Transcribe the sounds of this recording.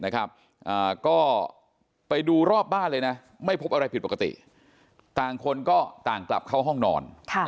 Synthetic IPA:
na˦˥kʰɾa˦˥p̚ | ʔaː˨˩kɔː˥˩ | pa˧jduː˧ɾɔː˥˩p̚baː˥˩nlɤː˧jna˦˥ | ma˥˩jpʰo˦˥p̚ʔa˧ɾa˧jpʰi˨˩t̪̚po˨˩ka˧˩t̪ḭ˨˩ | t̪aː˨˩ŋkʰo˧nkɔː˥˩t̪aː˨˩ŋkla̰˨˩p̚kʰa˥˩wɦɔ˥˩ŋnɔ̰ː˧nkʰa˥˩

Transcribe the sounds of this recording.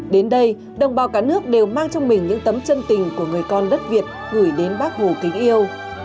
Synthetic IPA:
ɗe˨˦nɗə˧j | ɗə˨˩wŋ͡mɓaː˨˩wkaː˧˩˥nɨ˦˥ək̚ɗe˨˩wmaː˧ŋt͡ɕɔ˧wŋ͡mmï˨˩ŋ̟ɲɨ̰˧˥ŋt̪ə˨˦mt͡ɕə˧nt̪ï˨˩ŋ̟ku˧˩əŋɨ˨˩əjkɔ˧nɗə˦˥t̚vi˨˩ət̚hɨ˧˩jɗe˨˦nɓaː˦˥k̚ho˨˩k̪ï˨˦ŋ̟ʔi˧əw

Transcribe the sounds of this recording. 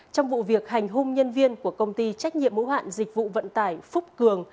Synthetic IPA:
t͡ɕɔ˧wŋ͡mvṵ˧˨vi˨˩ək̚ha˨˩jŋ̟ɦʊ˧ŋ͡mɲə˧nvi˧ənku˧˩əkə˧wŋ͡mt̪i˧t͡ɕa˦˥k̟̚ɲḭ˧˨əmːṵ˧˥ha̰ː˧˨nzï˨˩k̚vṵ˧˨və̰˧˨nt̪aː˧˩jfʊ˦˥p̚kɨ˨˩əŋ

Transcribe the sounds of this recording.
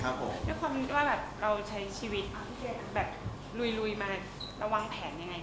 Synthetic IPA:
kʰa˦˥pʰːo̰˦mdɯ˥jkʰwaː˧mni˥t̪̚waː˥˩bɛː˨˩p̚ɾa˧wt͡ɕʰa˦˥jt͡ɕʰiː˧wi˦˥t̪̚ | bɛː˨˩p̚ | lu˧jlu˧jmaː˧ | ɾa˧wa˧ŋpʰɛː˩˦nja˧ŋːa˧j

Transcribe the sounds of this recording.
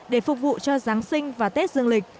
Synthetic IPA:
ɗe˧˩fʊ˨˩k͡p̚vṵ˧˨t͡ɕɔ˧zaː˨˦ŋsï˧ŋ̟vaː˨˩t̪e˦˥t̚zɨ˧əŋlï˨˩k̟̚

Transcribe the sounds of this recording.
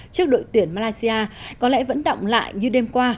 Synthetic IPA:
t͡ɕɨ˦˥ək̚ɗo̰˧˨jt̪wi˨˩ənmaː˧laː˧jsi˧ʔaː˧kɔ˨˦lɛ̰˧˥və̰˧˥nɗə̰˧˨wŋ͡mla̰ː˧˨jɲɨ˧ɗe˧mkwaː˧

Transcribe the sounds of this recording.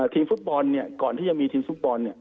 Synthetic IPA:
t̪ʰiː˧mfu˦˥t̪̚bɔː˧nːi˥˩ɐkɔː˨˩nt̪iː˥˩t͡ɕa˨miː˧t̪ʰiː˧mfu˦˥t̪̚bɔː˧nːi˦˥˩

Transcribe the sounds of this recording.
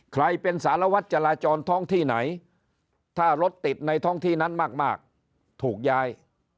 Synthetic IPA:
kʰɾa˧jpe˧nsaː˩˦ɾa˧wa˦˥t̪̚t͡ɕa˧ɾaː˧t͡ɕɔː˧nt̪ʰɔ˦˥˩ŋt̪ʰiː˥˩na˩˦j | t̪ʰaː˥˩ɾo˦˥t̪ːi˨˩t̪̚na˧jt̪ʰɔ˥˩ŋt̪ʰiː˥˩na˦˥nmaː˥˩k̚maː˥˩k̚ | t̪ʰuː˨˩k̚jaː˦˥j

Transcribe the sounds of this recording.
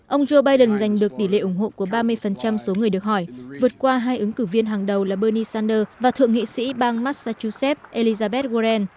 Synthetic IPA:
ʔə˧wŋ͡mzo˧ɓaː˧jɗə˨˩nza˨˩jŋ̟ɗɨ˨˩ək̚t̪i˧˩lḛ˧˨ʔʊ˧˩ŋ͡mɦo̰˧˨ku˧˩əɓaː˧mɨ˧əjfə˨˩nt͡ɕa˧mso˨˦ŋɨ˨˩əjɨ˨ək̚hɔ˧˩jvɨ˨˩ət̚kwaː˧ɦaː˧jʔɨ˨˦ŋkɨ˧˩vi˧ənɦaː˨˩ŋɗə˨˩wlaː˨˩ɓəː˧ni˧saː˧nɗəː˧vaː˨˩t̪ʰɨ̰˧˨əŋḭ˧˨sḭ˧˥ɓaː˧ŋmaː˦˥t̚saː˧t͡ɕu˧sɛ˦˥p̚ʔe˧li˧zaː˧ɓɛ˦˥t̚ɣo˧zɛ˧n

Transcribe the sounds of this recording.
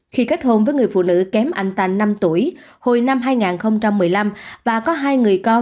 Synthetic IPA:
xi˧ka˦˥jk̟̚ho˧nvəː˨˦jŋɨ˨˩əjfṵ˧˨nɨ̰˧˥kɛ˨˦mʔa˧˩jŋ̟t̪a̰˧˨˩ŋ̟na˧mt̪u˧˩əjho˧˨jna˧mɦaː˧jŋaː˨˩nxə˧wŋ͡mt͡ɕa˧mːɨ˨˩əjla˧mvaː˨˩kɔ˨˦ɦaː˧jŋɨ˨˩əjkɔ˧

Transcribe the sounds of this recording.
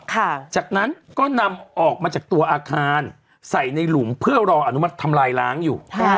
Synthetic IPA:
kʰa˥˩t͡ɕaː˨˩k̚na˦˥nkɔː˥˩na˧mʔɔː˨˩k̚maː˧t͡ɕaː˨˩k̚t̪u˧ɐʔaː˧kʰaː˧n | sa˨˩jna˧jlu˩˦mpʰɯ˥˩ɐɾɔː˧ʔa˧nu˦˥ma˦˥t̪ʰːa˧mlaː˧jlaː˦˥ŋjuː˨˩

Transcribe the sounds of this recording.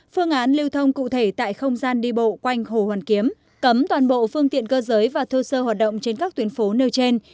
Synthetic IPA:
fɨ˧əŋʔaː˨˦nli˧əwt̪ʰə˧wŋ͡mkṵ˧˨t̪ʰe˧˩t̪a̰ː˧˨jxə˧wŋ͡mzaː˧nɗi˧ɓo̰˧˨kwa˧jŋ̟ho˧˩hwaː˨˩nki˨˦əm | kə˨˦mt̪waː˨˩nɓo̰˧˨fɨ˧əŋt̪ḭ˧˨ənkəː˧zəː˨˦jvaː˨˩t̪ʰu˧səː˧hwaː˨˩t̚ɗə̰˧˨wŋ͡mt͡ɕe˧nkaː˦˥k̚t̪wənfo˨˦ne˧wt͡ɕe˧n

